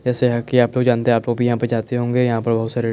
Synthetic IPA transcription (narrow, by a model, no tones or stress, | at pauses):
d͡ʒɛːseɦɐkiaːploːɡd͡ʒaːnt̪eẽaːploːɡbʱijɐɦãpɐɾd͡ʒaːt̪eɦõːŋɡejɐɦãpɐɾbɐɦʊt̪saːɾe